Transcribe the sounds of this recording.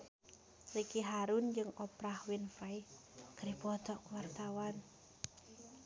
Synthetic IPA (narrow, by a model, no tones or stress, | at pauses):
rikiɦaɾund͡ʒɨŋɔpɾahwinfɾaj | ɡ̥ɾipɔt̪ɔkwart̪awan